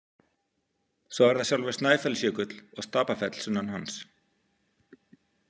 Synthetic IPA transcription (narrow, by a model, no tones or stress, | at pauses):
sɔwɛɾðasjawlvɛɾ̥snaːjfɛlsjœːkʏt̪lɔɣst̪aːpafɛt̪l̥sʏnːanhans